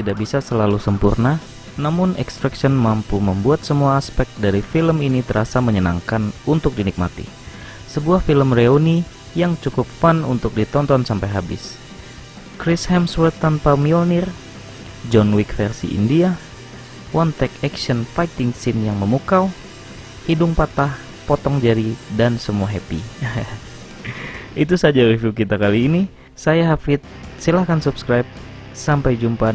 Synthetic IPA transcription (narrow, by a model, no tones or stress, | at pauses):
t̪idaʔ̚bisasəlalusəmpurna | namʊnɛkst̪ɾakʃɔnmampuməmbuat̪̚səmuaːspɛk̚t̪̚daɾifiləminit̪əɾasaməɲəna̰ŋkanunt̪ʊk̚dinik̚ma̰t̪ḭ | səbuahfiləmreoni | jaŋt͡ʃukup̚fanunt̪ʊk̚dit̪ɔnt̪ɔnsampajɦabɪ̰s | kɾɪshɛmswərt̪anpamionɪr | d͡ʒɔnwikfɛrsḭʔḭndia | want̪ɛkɛksənfajt̪ɪŋsɪnjaŋməmukaw | hidʊŋpat̪ah | pɔt̪ɔŋd͡ʒaɾidansəmuaɦɛpḭ | ʔit̪̬usad͡ʒaɾiviukit̪akaliːni | sajaɦafɪt̪̚silahkansupskɾajp̚sampajd͡ʒumpa